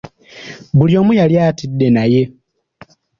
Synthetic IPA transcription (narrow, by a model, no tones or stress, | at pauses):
βuljo̞ːmujaljaːtidːe̞naje̞